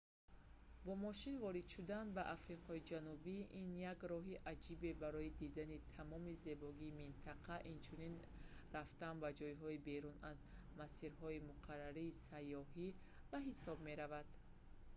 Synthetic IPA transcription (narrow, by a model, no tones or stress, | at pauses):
bɔmɔʃinvɔɾid̪ʃud̪anbaʔafɾiqʰɔid͡ʒanubiʔinjaɡɾɔɦiʔad͡ʒibe̞baɾɔid̪id̪anit̪ʰamɔmize̞bɔɡiːmint̪ʰaqʰaʔint͡ʃʰunin | raft̪anbad͡ʒɔjɦɔibe̞ɾunaz | masiɾɦɔimuqʰarːaɾiːsajːɔɦi | vaɦisɔb̚me̞ɾavad̪̥